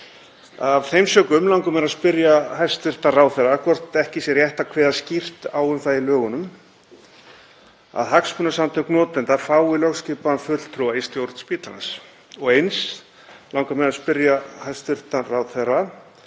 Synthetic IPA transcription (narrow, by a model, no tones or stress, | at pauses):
avθejmsœːkʏmlawŋkʏmɛnaðspɪɾjaɦajst̪ʏr̥t̪araːwðθɛrakʰvɔr̥t̪ɛhcɪsjɛɾjɛht̪akʰvɛːðascir̥t̪aːwʏmθaðɪlœːɣʏnʏm | a̰ðɦakspʏnasant̪ʰœhknɔːt̪ɛnt̪afaːwɪlœxscɪːpanfʏl̥t̪ʰɾuaist̪jowɾt̪spiːt̪lana̰s | ɔɣejns | lawŋkamɛnaspɪɾjahajst̪ʏr̥t̪araːwðθɛɾa